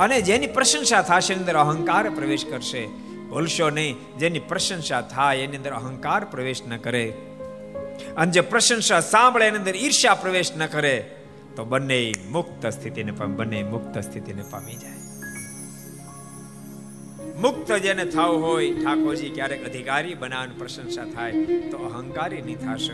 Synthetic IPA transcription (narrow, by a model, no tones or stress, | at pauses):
əned͡ʒenipɾəʃə̃nʃat̪ʰaʃeniənd̪əɾəɦə̃ŋkaɾpɾəʋeʃkəɾʃe | bʱolʃonəĩ | d͡ʒenipɾəʃə̃nʃat̪ʰajeniənd̪əɾəɦə̃ŋkaɾpɾəʋeʃnəkəɾe | əned͡ʒepɾəʃə̃nʃasãmbɭeenĩənd̪əɾiɾʃapɾəʋeʃnəkəɾe | t̪obənːeimʊk̚t̪əst̪ʰit̪inepbənːeimʊkt̪əst̪ʰit̪inepa̰mid͡ʒaj | mʊk̚t̪əd͡ʒenet̪ʰauɦojʈʰakod͡ʒikjaɾekəd̪ʱikaɾibənaʋnupɾəʃə̃nʃat̪ʰajt̪oəɦə̃ŋkaɾinĩt̪ʰaʃə